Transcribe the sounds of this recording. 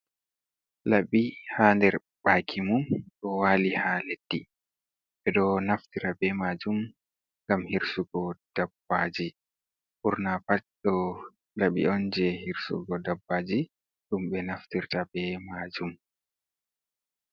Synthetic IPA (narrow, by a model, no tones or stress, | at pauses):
laɓihandɛɾ | baːkʰimumɗɔwaːlihaled̥ːi | ɓɛɗɔnaftiɾabɛmad͡ʒum | ŋɡamhiɾsuɡɔd̥abːad͡ʒi | ʔuɾnapat͡ʃɗɔ | laɓḭɔnd͡ʒɛhiɾsṵɡɔdabːad͡ʒi | ɗumɓɛnaftiɾtabɛmad͡ʒum